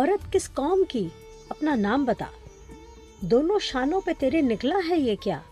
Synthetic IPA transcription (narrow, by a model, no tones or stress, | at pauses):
ɔɾət̪kɪskɔːmki | ɐpnanaːmbɐt̪a̰ː | d̪oːnõʃaːnõpet̪eːɾenɪklaɦɛjekja̰ː